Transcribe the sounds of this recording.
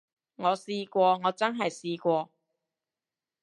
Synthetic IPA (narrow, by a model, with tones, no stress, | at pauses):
ŋɔː˨˧siː˧kʷɔː˧ŋɔː˨˧t͡sɐ˥nɦɐ˨jsiː˧kʷɔː˧